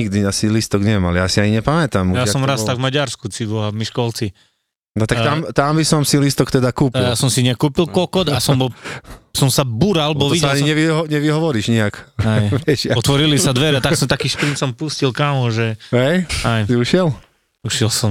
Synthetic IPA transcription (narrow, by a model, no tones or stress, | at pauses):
iɡd̪iasilist̪ɔɡɲɛma̰ljasiaɲiɲɛpamɛt̪amujaɔmɾast̪aɡvmaɟaɾskut͡sibɔɦamiʃkɔlt͡si | nɔt̪akkt̪amt̪ambisɔmsilist̪ɔkt̪ɛd̪akuːp̪iljasɔmsiɲɪakːuːpilˠkɔkɔd̪asɔmbɔsɔmsabuɾalbɔʋiɛaɲiɲɛʋiɦɔɲɛʋiɦɔʋɔɾiːʒɲiakajʋɛʃjaɔt̪ʋɔɾilisad̪ʋɛɾɛat̪aksɔmt̪akiːʃpɾinsɔmpuscilkamɔʒɛɦɛjajsiuʃjɛl | uʃjɛlsɔm